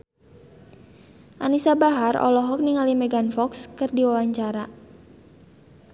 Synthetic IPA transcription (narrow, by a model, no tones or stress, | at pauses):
ʔa̰nisabaɦarɔ̰lɔɦɔk̚niŋalimɛɡanfɔkskɨrdiwawaɲt͡ʃaɾa